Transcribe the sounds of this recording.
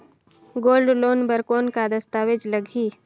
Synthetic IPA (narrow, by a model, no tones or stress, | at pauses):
ɡoːlɖloːnbəɾkoːnkad̪əst̪aːʋed͡ʒləɡʱiː